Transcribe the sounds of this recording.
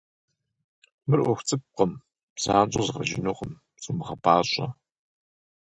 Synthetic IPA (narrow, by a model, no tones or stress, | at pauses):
mɨrʔʷɔxʷt͡sʼɨp̚qəm̥ | z̥aːnd͡ʒʼɐzʁɐʒɪ̰noqəm | sʼɨmɨχɐpʰaːɕʼɐ